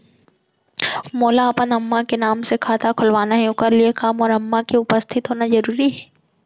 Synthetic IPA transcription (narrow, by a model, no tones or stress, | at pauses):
moːlaɐpənɐmːakenaːmsekʰaːt̪akʰʊlʋaːnaɦɛʊkəɾliekaːmɔːɾɐmːakiʊpəst̪ʰɪt̪ɦoːnazɐɾuːɾiɦɛː